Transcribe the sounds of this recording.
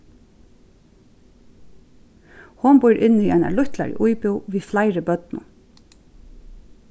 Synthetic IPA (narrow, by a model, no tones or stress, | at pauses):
hʊnbʊjɾʔɪnːiʔaɪna̰lʊht̪la̰ɹə̰ʔujpʊwʋiːflaɪɾəbœt̪nʊ̰